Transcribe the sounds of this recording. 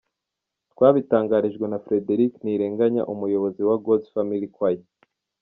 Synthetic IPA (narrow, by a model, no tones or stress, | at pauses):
twaːβitaːŋɡaɾiʒɡwe̞nafɾe̞deɾikniːɾe̞ːŋɡaɲa̰ʔumujo̞βo̞ziwaɡodfamilikwaje